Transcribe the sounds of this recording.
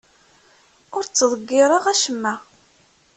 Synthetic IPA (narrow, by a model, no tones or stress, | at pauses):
ʊɾt͡sːðˤəɡːɪɾˤəʁæʃəmːæ